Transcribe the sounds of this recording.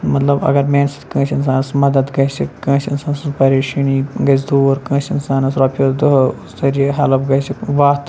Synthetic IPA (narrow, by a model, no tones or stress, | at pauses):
mɐt̪lɐbɐ̰ɡɐɾmeːnsi̥t̪kə̃ːʃins̬aːnɐsmɐd̪ɐd̪ɡɐjsikːɐ̃ːsinsaːnɐsspɐɾeːʃɐniːɡɐsd̪oːɾkə̃ːsinsaːnɐsɾoːpʲod̪uɦst̪ɐɾiɦɐlɐpɡɐjsiʋaːt̪